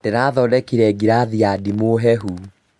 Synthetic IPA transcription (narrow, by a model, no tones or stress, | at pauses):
d̥eɾaːðɔdɛkiɾɛɡiɾaðiadimoɦɛɦu